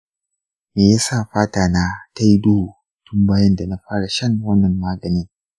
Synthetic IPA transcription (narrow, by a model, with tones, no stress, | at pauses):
meː˨ja˦sa˦˨ɸaː˦taː˨na˦ta˦ji˦doː˦˨ | tʊ˦mbaː˦jɐ˦nda˨na˨ɸaː˦ɽa˨ʃɐ˦ŋwɐ˦nːɐ˨mːaː˦ɡɐ˨niː˦